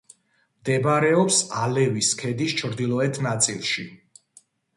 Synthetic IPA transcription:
md̪ɛbaɾɛɔpsalɛviskʰɛd̪ist͡ʃʰɾd̪ilˠɔɛt̪ʰnat̪sʼḭlˠʃḭ

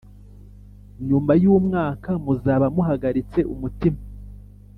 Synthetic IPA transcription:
iɲuːmbajuːmŋaːkamuzaːβamuɦaɡaɾit͡se̞ʔumutima

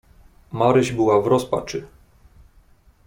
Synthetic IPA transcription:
maɾɘʑbɘwavɾɔspa̰t͡ʂɘ

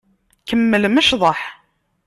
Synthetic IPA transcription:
kəmːəlməʃðˤɑħ

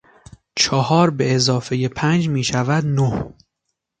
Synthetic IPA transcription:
t͡ʃʰɒhɒːɾbe̞ːzɒːfe̞je̞pʰænd͡ʒmiːʃævæd̪noh

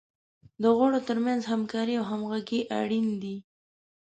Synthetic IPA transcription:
d̪əɣaɽot̪əɾmanzhamkɑɾiawɦamɣaɡiʔa̰ɽind̪i

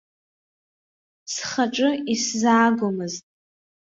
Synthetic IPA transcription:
sχaʈ͡ʂʼɨiszaːɡʷʊmɨztʼ

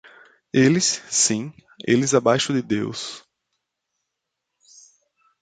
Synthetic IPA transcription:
elɪsːĩ | ḛlɪzabajʃʊd̪ɪd̪ews

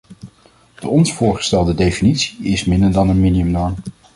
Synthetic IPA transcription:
d̥əɔnsfʊːɹχə̥stɛlˠdədejfinitsiɪsmɪndəɹdɑnənminiɵmnɔɹm

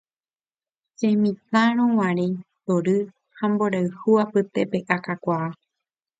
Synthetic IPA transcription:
sẽmĩt̪aɾ̃õwãɾẽt̪oɾɨ | hãmboɾaɨhuapɨt̪epe̞ʔakakʷaː

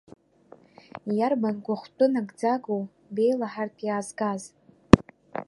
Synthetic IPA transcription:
jarbanɡʷaχʷtʷʼʊnaɡd͡zaɡow | be̞jlaħartʰʼjaːzɡaz

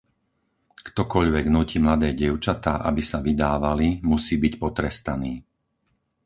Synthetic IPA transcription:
kt̪ɔkɔʎʋɛɡnucimlad̪ɛːɟɪɛʊt͡ʃat̪aːʔa̰bisaʋid̪aːʋalimusiːbicpɔt̪ɾɛst̪aniː

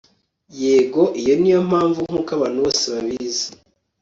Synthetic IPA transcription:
jeːɡo̞ʔijo̞nijo̞m̥aːɱvuŋ̥hukaβaːn̥uβo̞ːseβaβize̥

